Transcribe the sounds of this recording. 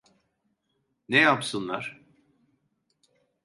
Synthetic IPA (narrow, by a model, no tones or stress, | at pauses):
nejapsɯnlˠaɾ̥